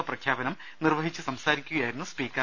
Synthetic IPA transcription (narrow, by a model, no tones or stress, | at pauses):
ɐprɐkʰjaːbɐnɐm | nirʋɐɦit͡ɕːɨsɐmsaːɾikʲːuɣɐjaːjɾunːuspiːkːɐ